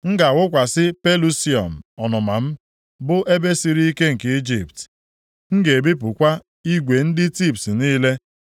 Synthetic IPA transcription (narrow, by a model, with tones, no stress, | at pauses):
ŋ̩˦ɡa˨wʊ˦kʷa˨sɪ˦pe˦lu˦si˦ɔ̰˨m̩˨ɔ˨nʊ˨ma˨m̩˦ | bʊ˦ʔe˦be˦si˨ɾi˦i˦ke˦ŋ̩˨ke˦i˦d͡ʒi˨pt | ŋ̩˦ɡe˨e˨bi˦p̬ʊ˨kʷa˦ | i˦ɡʷe˨n̩˦dɪ˦ti˦˨ptniː˦le˦